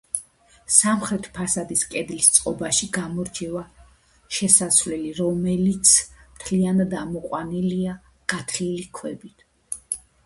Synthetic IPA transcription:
samχɾɛt̪ʰpʰasad̪iskʼɛd̪list̪sʼqʼɔbaʃiɡamɔɾd͡ʒʰɛva | ʃɛsasvlɛliɾɔmɛlit̪sʰmt̪ʰlianad̪amɔqʼwanilia | ɡ̥at̪ʰlilikʰwɛbit̪ʰ

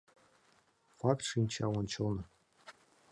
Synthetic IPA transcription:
fɑkt̪ʂinʲt͡ɕɑwonʲt͡ɕɤ̆lnɤ̆

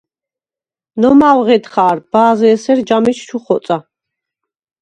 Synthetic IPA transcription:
nɔmawʁɛd̪χaːɾbaːzɛːsɛɾd͡ʒamit͡ʃʰt͡ʃʰuχɔt̪sʼa

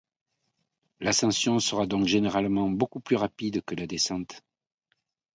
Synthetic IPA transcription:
lasɑ̃sjɔ̃səʁad̪ɔ̃kʒeneʁalmɑ̃bokuplyʁapid̪kəlad̪esɑ̃t̪

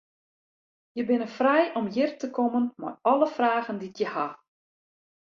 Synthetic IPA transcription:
jəbɪnəfrɛjɔmjɪrtəkʰɔmənma̰rɔləfraːɣənditjəha

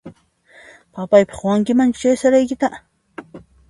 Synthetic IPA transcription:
papajpɑ̥χwaŋkɪmant͡ʃt͡ʃajsaɾajkɪt̪a

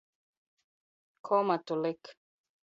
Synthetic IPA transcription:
kʰɔmatulek

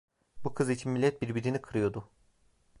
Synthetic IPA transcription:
bukʰɯzit͡ʃʰimːilʲːɛt̪̚biɾbiɾinikʰɯɾɯjo̞d̪ʊ

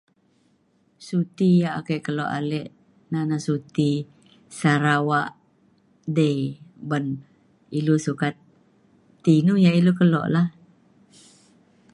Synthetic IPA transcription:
sut̪ijaʔakeʔkəlɔʔa̰lɛʔ | nanasut̪i | saɾawaʔ | dejbən | ilusukat̪ː | inujaʔilukəlɔ̰ʔlah

